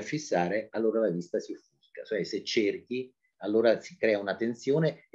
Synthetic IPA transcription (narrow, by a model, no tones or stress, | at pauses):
fːisːaːɾealːoːɾalavist̪asifuskat͡ʃoɛset͡ʃːerk̟i | alːoːɾasikɾɛːaunat̪ːent̪sjoːne